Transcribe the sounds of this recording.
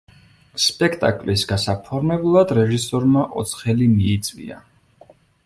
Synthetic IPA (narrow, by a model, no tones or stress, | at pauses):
spʼɛkʰt̪ʼa̰kʼlisɡasapʰɔɾmɛbulˠad̪ɾɛʒisɔɾmaʔɔt̪sʰχɛlimiːt̪sʼvḭa̰